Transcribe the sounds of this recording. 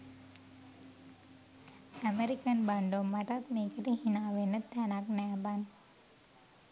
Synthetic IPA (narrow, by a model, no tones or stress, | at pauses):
ameɾikənbaɳɖomaʈat̪̚nikəɾihinaʋenət̪ɛnak̚nɛban